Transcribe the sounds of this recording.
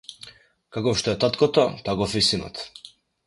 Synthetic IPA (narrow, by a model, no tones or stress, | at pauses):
kakɔfʃt̪ɔɛt̪at̪kɔt̪ɔt̪akɔfisinɔ̰t̪